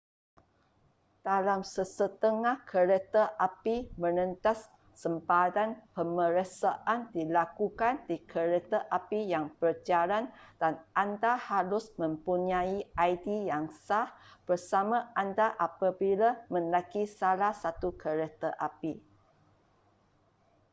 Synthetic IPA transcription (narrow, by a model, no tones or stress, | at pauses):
d̥alamsəsət̪əŋahkʰəɾet̪əʔapimə̃nə̃nt̪asː | əmpadanpəməɾəsaʔandilakukandikʰəɾet̪əʔapijaŋpərd͡ʒaɾand̥anʔandahaɾʊsmə̃mpuɲãiajdijaŋsahb̥ərsamãandaʔapabilamə̃nlakisalahsat̪ukʰəɾet̪əʔapi